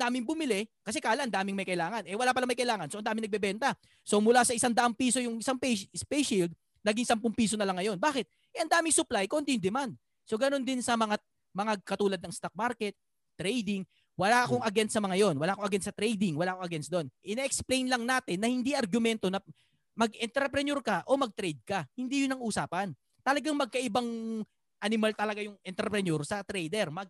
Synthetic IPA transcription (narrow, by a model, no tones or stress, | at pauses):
ɐnd̪aːmɪŋbʊmɪlɛkɐsɛkaːlaʔɐnd̪aːmɪŋmɐjkɐʔɪlaːŋɐnʔɛwɐlaːpɐlɐŋmɐjkɐʔɪlaːŋɐnsoʔɐnd̪aːmɪŋɐɡ̚bɛbɛnt̪ɐ | so̞mʊlasɐʔɪsaŋd̪ɐʔaŋpiːso̞jʊŋʔɪsaŋpɛspɛjʃɪld̪̚ | nɐɡiŋsampʊŋpiːsonɐlɐŋːɐjo̞nbaːkɪt̪̚ | ʔɛʔɐnd̪aːmɪŋsʊplajkont̪ɪjʊŋd̪ɛmand̪̚ | so̞ɡɐno̞nd̪ɪnsɐmɐŋa | mɐŋakɐt̪uːlɐd̪nɐŋst̪ak̚maɾkɛt̪̚ː | ɾɛjd̪ɪŋ | wɐlaːʔɐko̞ŋɐɡɛnt̪sɐmɐŋajo̞nwɐlaːʔkoʔɐɡɛnsɐt̪ɾɛjd̪ɪŋwɐlaːʔkoŋʔɐɡɛnsd̪o̞nʔɪnɛʔɛksplejnlɐŋnaːt̪ɪnːɐhɪnd̪iʔɐɾɡʊmɛnt̪o̞nɐ | mɐɡɛnt̪ɾɛpɾɛnoɾkɐʔo̞mɐɡ̚t̪ɾɛjd̪̚kɐhɪnd̪iːjʊnɐŋʔuːsaːpɐn | t̪ɐlɐɡaŋmɐɡ̚kɐʔɪbaŋ | ʔɐnɪmalt̪ɐlɐɡajʊŋʔɛnt̪ɾɛpɾɛnoɾsɐt̪ɾɛjd̪ɛɾmɐɡ̚